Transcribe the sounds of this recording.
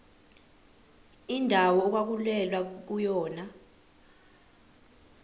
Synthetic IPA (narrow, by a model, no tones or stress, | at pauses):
indʱawɔːk̬wak̬ulɛlwak̬ujɔːna